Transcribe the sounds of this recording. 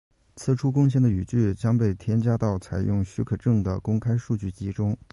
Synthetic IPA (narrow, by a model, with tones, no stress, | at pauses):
t͡sʰɹ̩˥˩ʈ͡ʂʰu˥kʊ˥ŋɕ̬jɛ˥nd̪ə˩y˨˩t͡ɕy˥˩t͡ɕjɑ˥ŋpe˥˩ɪt̪ʰjɛ˥nt͡ɕja˥t̪ɑ˥˩ʊt͡sʰa˨˩ɪjʊ˥˩ŋɕy˥kʰɤ˨˩ʈ͡ʂɤ˥˩ŋd̪ə˩kʊ˥ŋkʰa˥ɪʂu˥˧t͡ɕy˥˩t͡ɕi˧˥ʈ͡ʂʊ˥ŋ